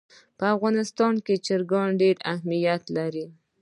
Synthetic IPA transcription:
pəafɣɑnɪst̪ɑnket͡ʃɪɾɡɑɳɖeɾahmijat̪laɾi

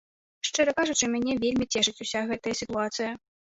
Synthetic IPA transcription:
ʂt͡ʂɨɾɐkaʐut͡ʂɨmʲanʲɛvʲelʲmʲit͡sʲɛʐɨt͡sʲusʲaɣɛt̪ɐjɐsʲit̪uat̪sɨjɐ

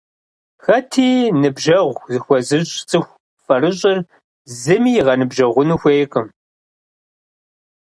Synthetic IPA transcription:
xɐtʰiːnɨbʒɐʁʷzɨxʷɔzɨʑʼt͡sʼɨxʷ | fɐrɨʑʼɪr | zɨmiːjʁɐnɨbʒɐʁʷʊnuxʷeːjqʼɨm

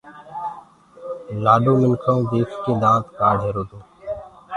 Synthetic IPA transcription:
laːɖõːmɪnkʰãːd̪eːkʰkĩːd̪ãːt̪kaːɖʱeɾoːd̪õː

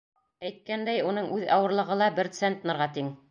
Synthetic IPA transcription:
æjt̪̚kænd̪æjunɤɴʔʉðɑwɤ̆ɾlˠɤ̆ʁɤlˠɑbɘɾt̪sent̪nɤ̆ɾʁɑt̪iŋ

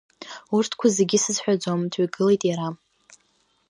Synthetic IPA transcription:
urtʰkʷʰaze̞ɡʲisɨzħʷᶣad͡zomtʰɥiɡɨle̞jtʼjaɾam

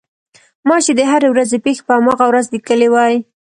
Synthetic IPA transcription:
mɑʃed̪əɦaɾewɾazepexe̥pəamɑɣawɾazlikəlewɑj

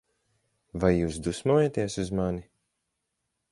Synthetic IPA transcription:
vajːuːsd̪usmuːjat̪iɛsuzmani

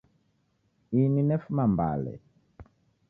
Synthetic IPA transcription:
ininɛfumamba̰lɛ̰

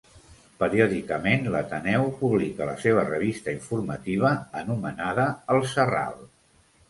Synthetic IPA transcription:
pəɾioðikəmenlət̪ənɛwpuβlikələseβ̞ərəβist̪əiɱfurmət̪iβ̞əənumənaðəəlˠsəra̰lˠ

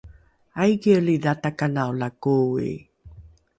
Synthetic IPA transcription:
ajɡiəɭiðatakanawlakuḭ

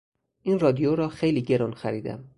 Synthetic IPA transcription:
ʔiːnrɒːd̪ijoɾɒːxejliːɟe̞ɾunxæɾiːd̪æ̰m

